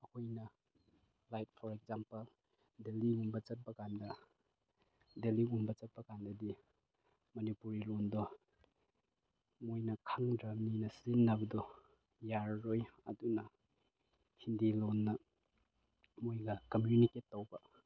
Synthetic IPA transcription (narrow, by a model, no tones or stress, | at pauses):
ɐkʰojnɐ | lajt̚pʰɔɾek̚zampɐl | deliumbɐt͡ʃɐt̚bɐkandɐ | deliumbɐt͡ʃɐt̚pɐkandɐdi | mɐnipuɾilondɔ | mojnɐkʰaŋdɾamninɐsinːɐbɐdɔ | jaɾːojɐ̰dunɐ | hindilonːɐ | mojɡɐkɐmjuniketːowbɐ